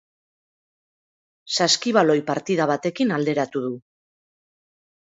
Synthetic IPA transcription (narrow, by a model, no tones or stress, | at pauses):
saskiβ̞alo̞jpaɾt̪ið̞aβ̞at̪e̞kinald̪e̞ɾat̪uð̞u